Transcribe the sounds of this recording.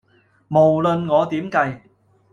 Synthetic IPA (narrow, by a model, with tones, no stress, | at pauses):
mo˨˩wlɵ˨˧nŋɔː˨˧t̪iː˨˥mkɐ˧j